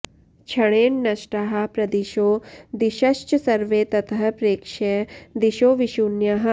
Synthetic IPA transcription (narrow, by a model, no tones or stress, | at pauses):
t͡ʃʰɐɽeːnːɐʃʈaɦɐ̆pɾɐd̪iʃoːd̪iʃɐʃt͡ʃɐsɐɾʋeːt̪ɐt̪ʰɐɦɐpɾeːkʃed̪iʃoːʋiʃunjɐɦɐ̆